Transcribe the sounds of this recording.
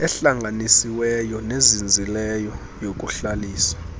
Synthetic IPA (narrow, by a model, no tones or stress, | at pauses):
ɛɬaŋʱanisiwɛjɔnezind͡zʱilɛjɔ | jok̬ʼuɬaliːsḁ